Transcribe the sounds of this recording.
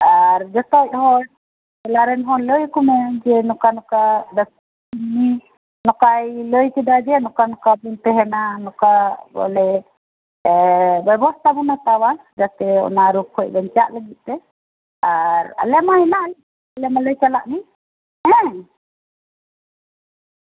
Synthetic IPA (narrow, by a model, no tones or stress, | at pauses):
aɾd͡ʒɔt̪ɔc̚hɔɽ | ɛlaɾɛnɦɔnləjkɔmɛd͡ʒɛnɔkanɔkad̪as | inːi | nɔkajləjkɛd̪ad͡ʒɛnɔkanɔkabint̪ɛɦɛnanɔkabɔ̰lɛ | bɛbɔst̪ʰabɔnat̪awa | d͡ʒat̪ɛɔ̰naɾukʰːɔj̚ˀbɛɲt͡ʃaʔləɡit̪̚ˀt̪ɛ | aɾa̰lɛmahɛnaʔlɛ | alɛmaləjt͡ʃalaʔni | ɛ̃